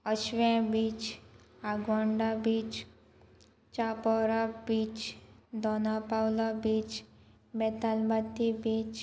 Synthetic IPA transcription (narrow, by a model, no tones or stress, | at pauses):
əʃʋẽbiːt͡ʃ | aɡwãːɳɖabiːt͡ʃ | t͡ʃaːpɔɾabiːt͡ʃd̪ɔːnapawlabiːt͡ʃ | met̪almət̪ːibiːt͡ʃ